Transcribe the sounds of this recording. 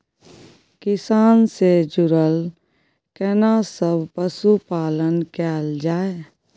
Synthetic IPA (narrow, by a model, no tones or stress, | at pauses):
kɪsaːnsed͡ʒʊɾəl | kɛnasəbʱpəsupaːlənkɛːld͡ʒaːe